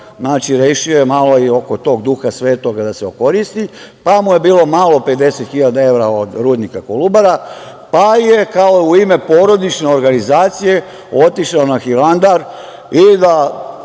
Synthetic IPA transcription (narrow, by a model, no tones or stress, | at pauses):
znaːt͡ʃiɾe̞ːʃiojemalo̞io̞ko̞t̪o̞ːɡd̪uxasʋe̞ːt̪oɡd̪aseoko̞ɾist̪i | pamuje̞biːlo̞malo̞pe̞d̪e̞set̪xiʎad̪ae̞ʋɾao̞d̪ɾuːd̪nikakolubaɾa | pajekaouime̞po̞ːɾo̞d̪it͡ʃne̞o̞ɾɡanizaːt̪sije̞ | o̞t̪iʃlaonaxiland̪aɾ | id̪a